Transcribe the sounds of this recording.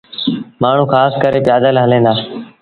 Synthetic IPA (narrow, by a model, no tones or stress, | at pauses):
maːɳ̤ũːxaːskəɾeːpɪjaːd̪əlɦəlẽːnd̪aː